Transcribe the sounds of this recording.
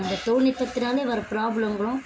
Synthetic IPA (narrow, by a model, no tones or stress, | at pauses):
nd̪ɐt̪oːnɪpːɐt̪ːɪnaːlɐʋɐɾpɾaːblɐmɡɐɭʊ̃